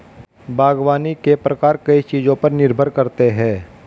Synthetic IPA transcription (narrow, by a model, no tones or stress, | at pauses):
bʱaːɡʋaːnikepɾɐkaːɾkɐit͡ʃiːd͡ʒõpɐɾnɪɾbʱəɾkɐɾt̪eɦɛ̃ː